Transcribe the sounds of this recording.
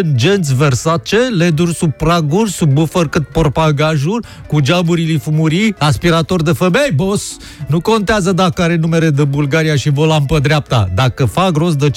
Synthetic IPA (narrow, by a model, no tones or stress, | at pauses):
nd͡ʒent̪sʲversat͡ʃeled̪urʲsubpɾaɡurʲsubbufərkɨt̪̚porpaɡaʒurʲ | kud͡ʒabuɾilifumuɾiaspiɾat̪o̞rd̪efemejbos | nuko̞nt̪eazəd̪akəaɾe̞nume̞led̪ebulɡaɾijaʃivolampəd̪ɾeap̚t̪a̰d̪akəfaɡɾo̞s̬d̪et͡ʃ